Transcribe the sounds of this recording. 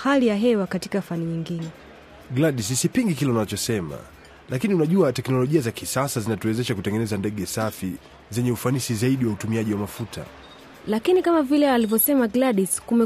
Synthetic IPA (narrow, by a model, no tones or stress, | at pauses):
halijaɦɛwakati̥kafaniɲiŋɡinɛ | ɡlaɗis̬isipiŋɡikilɛunat͡ʃɔsɛma̰ | lakiniunaʄuatɛknɔlɔʄiazakisasazinatuɛzɛʃakutɛŋɡɛnɛzandɛɠɛsafḭ | zɛɲɛufanisizaiɗiwautumiaʄiwamafutʰa̰ | lakinikamavilɛalivjɔsɛmaɡlaɗiskumɛ